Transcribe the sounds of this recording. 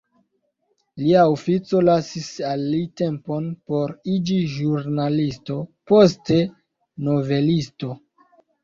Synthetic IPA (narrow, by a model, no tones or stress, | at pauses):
liaofit͡so̞lasisalːite̞mpo̞npo̞ɾid͡ʒiʒuɾnalisto̞po̞s̬te | no̞ve̞listo̞